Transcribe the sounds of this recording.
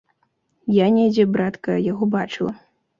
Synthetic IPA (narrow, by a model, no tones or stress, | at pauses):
janʲɛjd͡zʲɛbɾat̪kɐjaɣɔbat͡ʂɨlˠɐ